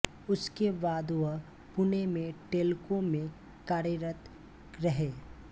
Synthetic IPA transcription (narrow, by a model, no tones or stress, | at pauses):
ʊskeʋaːd̪ʋə | pʊnemẽʈeːlkõmẽ | kaːɾjəɾət̪ | ɾɐɦeː